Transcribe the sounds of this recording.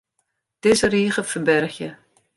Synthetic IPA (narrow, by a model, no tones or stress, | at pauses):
d̥ɪsəriːχəfəbɛrxjə